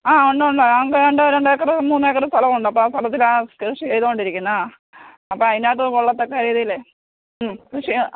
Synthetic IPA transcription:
aːoɳɖoɳɖoakːeeɳɖɨɾeɳɖekːɐrɨmuːnːɨekːɐrɨst̪ʰɐlɐmuɳɖɐpːoːst̪ʰɐlɐt̪ːilaːkʂit͡ɕejðukoɳɖiɾikʲːunːa | ɐpːoːɐðinaːʈːɨkoɭːɐt̪ːokːekɐɾjðɐilːe | krɨʂi

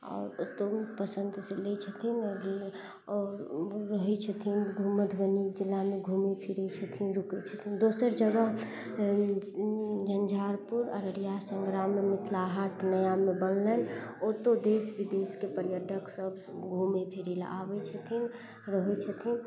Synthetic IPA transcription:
ɔ̰ːɾt̪opəsənd̪selet͡ʃʰət̪ʰinəɡi | ɔːɾːəɦɛt͡ʃʰət̪ʰinɡʱumət̪ʰbənikd͡ʒilːameɡʱumepʰiɾɛt͡ʃʰət̪ʰinɾuket͡ʃʰə̥t̪ʰind̪osəɾd͡ʒəɡə | d͡ʒənd͡ʒʱaːɾpuɾə̰ɾəɾjasəŋɡɾamːemɪt̪ʰlaɦaʈʰnəjamebənːənot̪od̪esbid̪eskepəɾjəɖʱəksəb | ɡʱumepʰiɾilaʋɛt͡ʃʰət̪ʰin | ɾəɦɛt͡ʃʰət̪ʰin

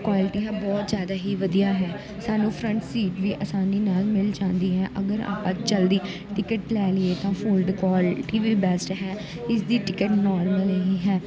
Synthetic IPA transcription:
kwaːlɪʈiːɦɛ̃ːbɔːt̪zjaːd̪aːɦiːʋəd̪ijaːɦɛː | saːnũːpʰɾə̃ɳʈsiːʈʋiːʔəsaːniːnaːlmɪld͡ʒãːnd̪iːɦɛːʔəɡəɾa̰ːpãːt͡ʃəld̪iː | ʈɪkəʈlɛːlɪeːt̪ãːpʰuːlɖkaːlʈiːʋiːbɛːsʈɦɛː | ɪsd̪iːʈɪkəʈnɔːɾməlɦiːɦɛː

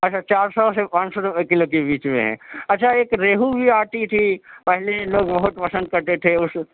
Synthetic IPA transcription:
ɐtːʃʰat͡ʃaːɾsɔːsepãːnsokɪlokebiːt͡ʃmḛ̃ɦɛ̰̃ːɐtːʃʰaeːkɾeːɦubʱiaːʈit̪ʰipɛɦleloːɡbɐɦʊt̪pɐsə̃nd̪̚kɐɾt̪et̪ʰeʊs

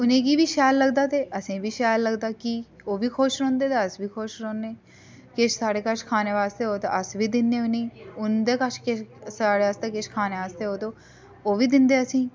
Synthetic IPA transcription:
ʊnẽːɡiːʋiːʃɛːlːəɡd̪aːt̪eːʔəsĩːbiːʃɛːjlːəɡd̪aːki | oːʋiːkʰoːʃɾɔ̃ːnd̪eːt̪eːəsbiːkʰoːʃɾõːneː | kɪʃsaːɽeːkəɾt͡ʃkʰaːneːʋaːst̪eːɦoːt̪o̰ʔəsʋiːd̪ɪnːeːʊnẽːʊnd̪eːkət͡ʃʰkɪsaːɽeːast̪eːkɪʃkʰaːneːʋaːst̪eːɦoːt̪oː | oːʋiːd̪ɪnd̪eːəsĩː

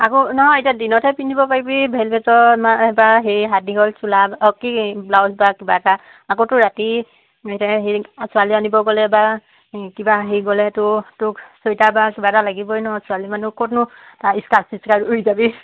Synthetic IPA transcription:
akonɔɦɔetiadinɔtʰɛpindʱibɔpaɹibibʱɛlbɛtɔmaɛbaɦejɦat̚niɡɔlsulabɔkiblawsbakibataː | kotʊɹati | etaɦesualianibɔɡɔlɛba | kibaɦeɡɔlɛtʊtʊksojtabakibatalaɡibɔjnɔɦɔsualimanukɔtnʊtaiskalsiskaɹujzabi

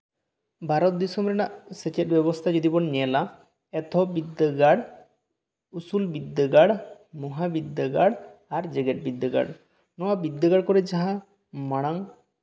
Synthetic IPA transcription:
bʱaɾɔt̪̚d̪isɔmɾɛnaʔset͡ʃet̚bɛbɔst̪ʰad͡ʒod̪ibɔnnɛɛla | ɛt̪ɔbid̪ːəɡaɽ | usulbid̪ːəɡaɽ | mɔɦabid̪ːaɡaɽaɾd͡ʒeɡeʈ̚bid̪ːəɡa̰ɽ | nɔwabid̪ːaɡaɽkɔɾed͡ʒaɦã | maɽ̃aŋ

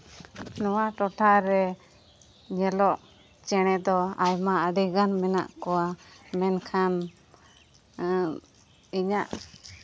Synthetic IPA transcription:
nɔwaʈɔʈʰaɾɛ | ɲɛlɔʔ | t͡ʃɛɽ̃ɛd̪ɔajmaəɖiɡanmɛna̰ʔkɔwamɛnkʰan | iɲaʔ

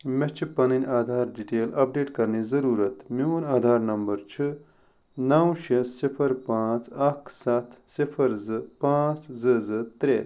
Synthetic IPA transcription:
met͡ʃʰipɐninʲaːd̪ʱaːɾɖiʈeːlɐp̚ɖeːʈkɐɾnizɐɾuːɾɐt̪miunaːd̪ʱaːɾnɐmbɐɾt͡ʃʰɨ | nɐwʃessipʰɐɾpãːt͡sɐkʰsɐt̪ʰsipʰɐɾzɨpãːt͡szɨzɨt̪ɾeːɾ

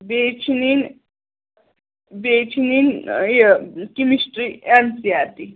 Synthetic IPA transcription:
bet͡ʃʰnin | bet͡ʃʰinin | kimisʈɾiansiat̪i

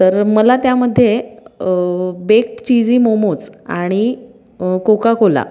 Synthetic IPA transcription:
t̪əɾməlat̪jaməd̪ʱːje | bek̚ʈt͡ɕid͡ziːmomot͡sa̰ɽ̃i | kokakola̰

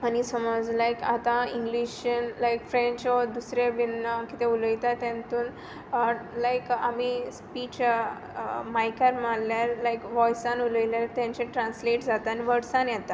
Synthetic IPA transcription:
anisəmɔd͡zlajka̰t̪ãĩŋɡliɕənlajkfɾɛ̃ɲt͡ɕɔɾd̪usɾjabinːakit̪ẽulit̪at̪ãnt̪uːn | lajkamispit͡ɕ | majkaɾmaljaɾlajkʋɔjsãnuləiljaɾt̪jãɲt͡ɕɛ̃ʈɾãnsleʈd͡zat̪aniʋəɽsãnjɛt̪a

